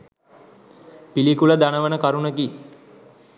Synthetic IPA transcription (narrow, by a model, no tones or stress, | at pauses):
pilikuləd̪anəʋənəkaɾunəki